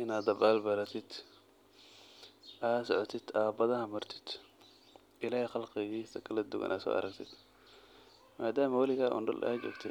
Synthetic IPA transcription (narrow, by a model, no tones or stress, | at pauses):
ʔɪnaːd̪ɐbaːlbɐɾɐt̪ʰɪd̪ | ʔaːsɔʕɔt̪ʰɪd̪aːbɐðɐhɐmɐrt̪ʰɪ̥d̪̥ | ʔɪlaːhɛxɑlqɪɣiːsɐkʰɐlɐd̪uɣɐ̰nʔa̰ːsɔ̰ʔɐ̰ɾɐɡt̪ʰɪd̪̥ | maːd̪aːmɐwɐlɪɣaːʔɔ̰ːnɖɐlʔad͡ʒɛ̰ɡt̪ʰɪ